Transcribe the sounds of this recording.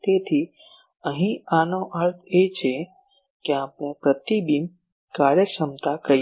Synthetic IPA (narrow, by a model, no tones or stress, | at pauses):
t̪eːt̪ʰi | əɦĩaːnõʔəɾt̪ʰeːt͡ʃʰe | keaːpnẽpɾət̪ibim | kaːɾjəʃəmt̪akɐ